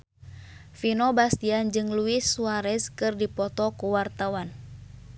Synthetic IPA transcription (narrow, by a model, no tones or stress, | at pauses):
finɔbast̪iand͡ʒɨŋluisuaɾɛskɨrdipɔt̪ɔkuwart̪awan